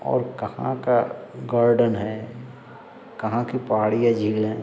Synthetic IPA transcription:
ɔ̰ːɾkɐhã̰kaɡaːɾɖənɦɛ | kɐɦãkipaːɽijad͡ʒʱiːlɦɛ̃

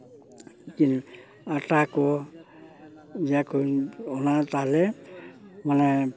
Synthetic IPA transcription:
kin | atakɔ | zakuɔnat̪alɛ | manɛ

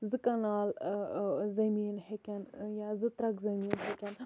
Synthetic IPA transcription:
zɨkɐnaːl | zɐmiːnhekʲɐnjaːzɨt̪ɾɐkzɐmiːnɦekɐn

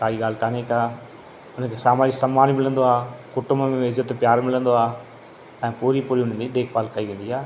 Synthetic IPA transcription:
kaːiɠaːl̤kaːneːkaː | ʊnə̃kʰeːsaːmaːd͡ʑɪsɐmaːnimɪlə̃nd̪oaːkʊʈʊmbmẽɪzət̪pjaːɾmɪlə̃nd̪oaː | ɛ̃ːpuːɾipʊɾiʊnẽnd̪id̪eːkʰbaːlkɐiʋẽːn̆d̪iaː

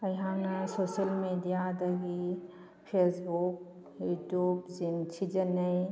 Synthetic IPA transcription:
ɐjɦawnɐsosɐlmedijad̪ɐɡi | pʰesbuk̚ | jutjubzint͡ʃʰid͡ʒɐnɐj

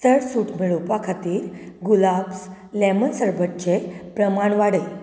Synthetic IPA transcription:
t̪əɽsuʈʰmiɭupakʰat̪iːɾɡulabs | lemənsəɾbʱətt͡ɕepɾəmaɳʋaɽe

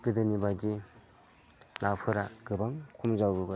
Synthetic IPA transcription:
ɡ̥ɯdɯnibadi | napʰɯɾaɡ̥ɯbaŋkʰumzawbɯba

